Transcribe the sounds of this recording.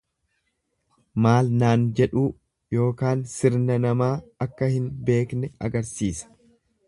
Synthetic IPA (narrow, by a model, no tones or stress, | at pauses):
maːlnaːnd͡ʒɛᶑuː | jo̞ːkaːnsɪɾnɐnɐmaːɐkːɐhɪnbe̞ːknɛɐ̰ɡɐɾsiːsɐ̥